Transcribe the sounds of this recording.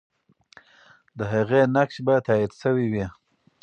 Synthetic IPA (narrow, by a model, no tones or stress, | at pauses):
d̪əɦaɣenakʃbat̪ɑid̪ʃəwiwi